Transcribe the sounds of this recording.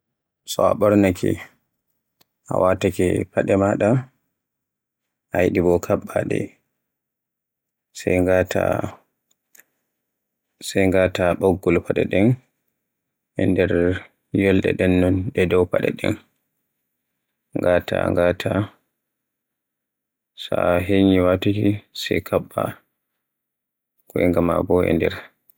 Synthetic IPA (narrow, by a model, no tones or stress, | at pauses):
sɔaɓɔɾnakḭ | ʔa̰watakipaɗɛmaɗa | ʔajɗibɔkʰaɓːaɗɛ̰ | sɛjŋɡatʰa | sɛjŋɡataɓɔɡːɔlpaɗɛɗɛn | ɛndɛɾ | jɔlɗɛ̰ɗɛnːɔnɗɛdɔwpaɗɛ̰ɗɛ̰n | ŋɡatʰa̰ŋɡatʰa | saɦeɲiwatukisɛjkʰaɓːa | kɔɛŋɡamabɔɛ̰ndɛɾ